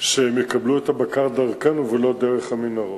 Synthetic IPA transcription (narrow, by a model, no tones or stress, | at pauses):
ʃeemjekabluet̪abakaʁd̪aʁkanuvelo̞d̪eʁeχhaminaʁo